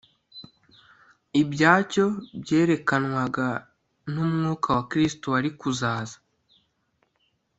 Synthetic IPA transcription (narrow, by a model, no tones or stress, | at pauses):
ibɟaːco̞bje̞ːɾe̞kanwaɡa | n̥umŋuːkʰawakɾistoaɾikuzaːzḁ